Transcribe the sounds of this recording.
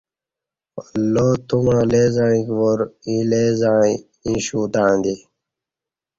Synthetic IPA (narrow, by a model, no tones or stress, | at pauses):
lot̪umãːlezaĩkʋoɾĩleːzaːi | ĩɕuːt̪ãːnd̪i